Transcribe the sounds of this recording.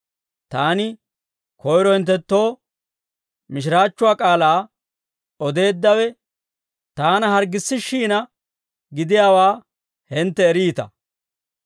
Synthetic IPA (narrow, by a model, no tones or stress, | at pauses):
t̪aːnɪ | kɔjɾɔhɪnt̪̬ːɛt̪ːo̞ː | mɪʃ̬ɪɾaːt͡ʃːʊwaːkʼaːlaː | ɔd̪e̞ːd̪ːɐwɛ | t̪aːnɐɦɐɾɡɪsːɪʃiːnɐ | ɡɪd̪ɪjaːwaː | hɛnt̪ːɛːɾiːt̪ɐ̰